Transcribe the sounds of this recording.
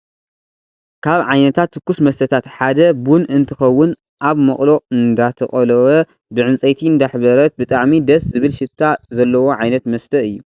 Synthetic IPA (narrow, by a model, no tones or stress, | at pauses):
kʰaβʕajnɐt̪ʰat̪ːɨkːusmɐst̪ʰɐt̪ʰat̪ħad̪ɐbunɨnt̪ʰɨxɐwːʊn | ʔaβmɐχʼlo̞ɨnd̪at̪ʰɐχʼɐlɐwɐ | bɨʕɨnt͡sʼejt̪ʰind̪aħbɐɾɐt̪̚bɨt̪ʼaʕmid̪ɐszɨβɨlʃɪt̪ʰːazɐlːɐwo̞ʕajnɐt̪mɐst̪ʰɐɨjːu